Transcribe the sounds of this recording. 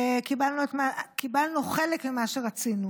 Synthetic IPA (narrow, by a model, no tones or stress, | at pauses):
kibalnuet̪makibalnuχelekmimaʃeʁat͡sinu